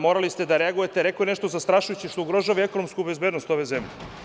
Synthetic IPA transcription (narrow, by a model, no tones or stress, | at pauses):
mo̞ɾalist̪ed̪aɾeaɡujet̪eɾekoeneʃt̪ozast̪ɾaʃujut͡ɕiʃt̪ouɡɾoʒaʋiekono̞mskubezbed̪nost̪o̞ʋe̞zemʎḛ